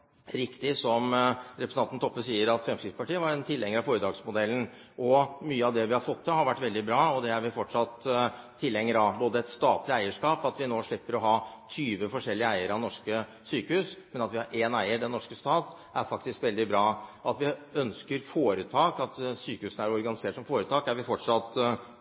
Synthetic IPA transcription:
ɾɪkt̪ɪsɔmɾɛpɾsnɑnt̪n̩t̪ʰɔpːəsiːəɾɑt̪fɾɛmskɾɪt̪spɑʈiːəʋɑɾɛnt̪ʰɪlːɛŋːəɾɑfoːɾəd̪ɑːɡsmʊd̪ɛlːn̩ | ʔɔmyːəɑʋd̪ɛʋɪhɑɾfɔt̪ʰːɪhɑɾʋæʈːʋɛld̪ɪbɾɑːɔd̪ɛæɾʋɪfɔʈʂɑt̪ʰː | ɪlːɛŋːəɾɑboːd̪əɛt̪st̪ɑːt̪lɪæɪəʂkɑːpɑt̪ʋɪnoːʂɭɪpːəɾɔɦɑːt̪ʰyːʋəfɔʂɛlːɪəæɪəɾɑʋnɔʂkə | syːkəhʉːsmɛnɑt̪ʋɪhɑɾʔeːnæɪəɖɛnːɔʂkəst̪ɑːt̪ | ʔæ̰ɾfɑkt̪ɪskʋɛld̪ɪbɾɑːʔɑt̪ʋɪœnskəɾfoːɾət̪ʰɑːkɑt̪syːkəhʉːsn̩æɾɔɾɡɑnɪseːʈʂsɔmfoːɾət̪ʰɑːkæɾʋɪfɔʈʂɑt̪

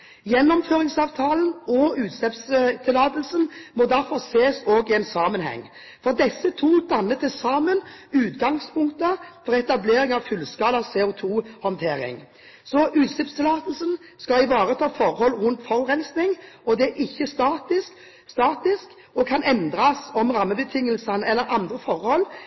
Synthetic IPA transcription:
jɛnːɔmføːɾɪŋsɑːʋt̪ʰɑːlənɔʉːt̪slɛpst̪ʰɪlɑːt̪l̩sənmɔd̪æɾfɔɾseːsoːɡɪɛːnsɑːmənhɛ̰ŋː | fɔʁd̪ɛsːət̪ʰuːsd̪ɑnːət̪ʰɪsɑːmənʉːt̪ɡɑŋspʰʊŋkt̪əfɔɾɛt̪ɑbleːɾɪŋɑʋfʉlːskɑːlɑsɛːʊt̪ʰuːhɔnt̪ʰeːɾɪ̰ŋ | sɔʔʉːt̪sɪpst̪ʰɪlɑːt̪əl̩sən | skɑɪʋɑːɾət̪ʰɑːfɔɾhɔlːɾʉnt̪fɔʁʁɛnsnɪŋɔd̪ɛæʔɪçːəst̪ɑːt̪ɪsk | st̪ɑːt̪ɪsk | ɔkʰɑnɛnd̪ɾɑsɔmɾɑmːəbət̪ʰɪŋːəlsənɛlːəɾɑnd̪ɾəfɔɾhɔlː

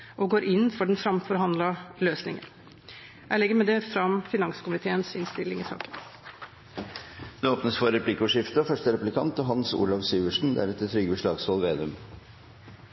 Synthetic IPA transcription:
ʔɔɡoːɾʔɪnːfɔɖɛnfɾɑmfɔɾɦɑnd̪lɑløːsnɪŋə̰n | jæɪlɛɡːəɾmɛd̪ɛfɾɑmfɪnɑŋskʊmɪt̪ʰeːənsɪnst̪ɪlːɪŋɪsɑ̰ːkə̥n | d̪̥ɛoːpnəsfɔɾɛpʰlɪkʊʂɪft̪əfœʂʈəɾɛpʉlɪkʰɑ̰nt̪ɔɦɑnsṵːlɑʋsyːʋəʂɳ̩d̪æ̰ɾɛt̪ːət̪ʰɾʏɡəʂɭɑːɡsɔlʋeːd̪ʉm

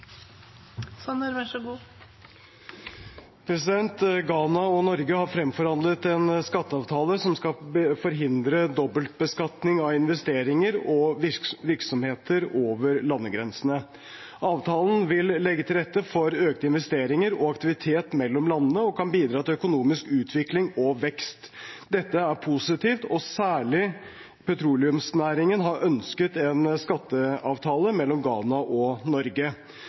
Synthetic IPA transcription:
sɑnəɾʋæʂɡuː | pʰɾɛs̬ɪd̪ɛnt̪ɡɑːnɑɔnɔɾɡəhɑɾfɾɛmfɔɾhɑnd̪lət̪ɛnskɑt̪ːəɑʋt̪ʰɑːləsɔmskɑəfɔɾɦɪnd̪ɾəd̪ɔbːəlt̪̚bəskɑt̪nɪŋɑʋɪnʋɛst̪eːɾɪŋəɾɔʋɪɾksɔmheːt̪ʰəɾoːʋəɾlɑnːəɡɾɛnsənə | ʔɑːʋt̪ʰɑːlənʋɪlːɛɡːət̪ʰɪlɾɛt̪ːəfɔɾøːkt̪əɪnʋɛst̪eːɾɪŋəɾɔɑkt̪ɪʋɪt̪ʰeːt̪mɛlːɔmlɑnːənəɔkʰɑnbiːd̪ɾɑːt̪ɪlœkʊnuːmɪskʉːt̪ʰʋɪklɪŋɔʋɛkst̪ | d̪ɛt̪ːəæɾpʰusɪt̪iːft̪ɔsæːɭɪ | pʰɛt̪ʰɾuːlɪʉmsnæːɾɪŋənɦɑɾʔœnskət̪ɛnskɑt̪ːəɑːʋt̪ʰɑːləmɛlːɔmɡɑːnɑʔɔnɔɾɡə

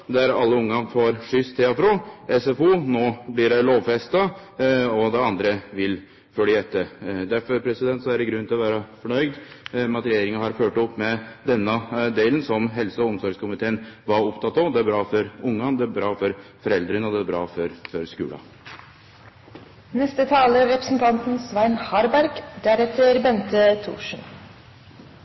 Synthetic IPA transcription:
d̪æɾɑ̰lːəʊŋːɑfoːɾʂʏst̪ʰːeɑfɾoɛsɛfuːnoːblɪɖɛloːʋfɛst̪ɑ | ɔd̪ɛɑnd̪ɾəʋɪl | fœlɪɛt̪ːəd̪æɾfɔɾpʰɾɛsɪd̪ɛnt̪sɔæɖɛɡɾʉnːt̪ʰɪlɔʋæːɾɑfɔɳœʏd̪mɑt̪ɾɛjeːɾɪŋəhɑɾføːʈɔpːmɛd̪ɛnːɑd̪eːlənsɔmɦɛlsəɔɔmsɔɾɡskʊmɪt̪ʰeːnʋɑɾʊpt̪ʰɑt̪ːɑd̪ɛæɾbɾɑːfɔɾʊŋːɑnd̪ɛæɾbɾɑːfɔɾfɔɾɛld̪ɾənəɔd̪ɛæɾbɾɑːfɔɾfɔɾskʉ̰ːlɑ̰ | nɛst̪ət̪ʰɑːləɾɛpɾəsn̩t̪ʰɑnt̪n̩sʋæɪnhɑɾbæɾɡd̪æɾɛt̪əɾbɛnt̪ət̪ʰṵːʂn̩

